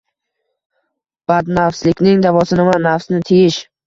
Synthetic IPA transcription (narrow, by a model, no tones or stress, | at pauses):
b̥ad̪nafslɪkʲnɪŋd̪avɒsɪnɪmanːafsnɪt̪ʰejɪʃ